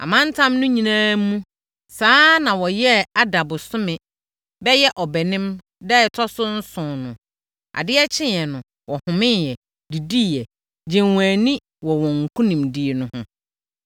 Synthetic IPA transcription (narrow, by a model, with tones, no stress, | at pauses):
a̰˨mã˦n˦tʰã˦mnʊ̃˦ɲĩ˨nãː˦mũ˦ | saː˦nã˨wɔ˨jɛ˦a˨da˨bʊ˨sʊ˦mɪ̃˨ | bɛ˦jɛ˦ʔɔ˨bɛ˨nɪ̃˦m | dɛ˦˨tʰɔ˦sʊ˦n̩˦sʊ̃˨nʊ̃˨ | a̰˨dɪ˦ɛ˦t͡ɕʰɪ̃˦˨ɛ˨nʊ̃˨ | wɔ˨hʊ̃˨mɪ̃˦jɛ˨ | di˨di˦jɛ˨ | d͡ʑɛ̃˨wãː˨nĩ˦ | wɔ˨wɔ̃˨ŋ̩˨kʰũ˦nĩ˨mdi˨e˨nʊ̃˨hʊ̃˦